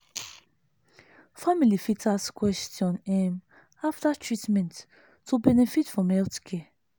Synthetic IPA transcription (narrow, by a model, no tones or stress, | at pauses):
familifitʰaskwɛstjɔ̃nɛm | aftatʰɹitmɛ̃ntː | ubɛnɛfitfɹɔ̃mɛltkʰɛ